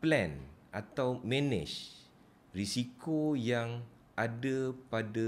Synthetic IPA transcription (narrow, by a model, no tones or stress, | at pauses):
plɛ̃nʔat̪awmɛ̃nɪ̰̃t͡ʃ | risikojaŋ | ʔadapada